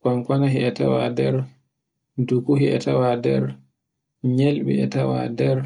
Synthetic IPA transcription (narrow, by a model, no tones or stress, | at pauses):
kwaŋkwanaɦiʔɛtawadɛɾ | dukuɦiʔɛ̰tawadɛɾ | ɲelɓḭɛ̰tawa̰dɛɾ